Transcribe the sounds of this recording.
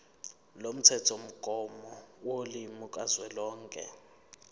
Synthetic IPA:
lom̩t͡sʰɛt͡sʰom̩kʼɔmɔwolimukʼazwɛlɔːŋkʼɛ̰

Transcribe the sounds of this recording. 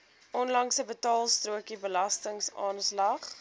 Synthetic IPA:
ʔɔnlɐŋsəbətɑːlˠstruəkibəlɐstəŋsɑ̰ːnslɐχ

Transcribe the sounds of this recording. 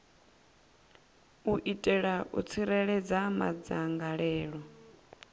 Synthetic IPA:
uʔitʼɛɺaʔṵt͡sʰiɾɛɺɛd͡zama̰d͡zaŋɡaɺɛːɺɔ

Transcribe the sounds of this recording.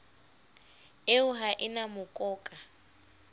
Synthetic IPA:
eʊɦaʔɪnamʊkʼɔːkʼa

